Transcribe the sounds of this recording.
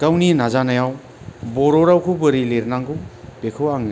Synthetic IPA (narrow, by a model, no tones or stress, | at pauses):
kawninazanajaw | bɔɾɔɾawkʰubɯɾileɾnaŋɡupekʰowaŋ